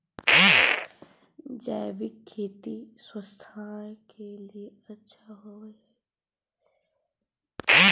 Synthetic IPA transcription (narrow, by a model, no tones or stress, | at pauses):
d͡ʒaːbɪkʰːeːt̪iswəst̪ʰaːkelie | ɐtːʃʰaɦoɛ